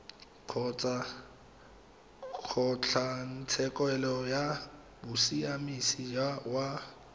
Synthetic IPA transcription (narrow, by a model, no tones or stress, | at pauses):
q͡χʰɔt͡sʼa | k͡xʰɔt͡ɬʰan̩t͡sʰɛkʼwɛlɔja | bʊsiamisid͡ʒawa